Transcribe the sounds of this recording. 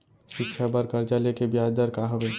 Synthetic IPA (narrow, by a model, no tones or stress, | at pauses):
ʃɪkt͡ʃʰabəɾkəɾd͡ʒalekebjad̪əɾkaɦəbe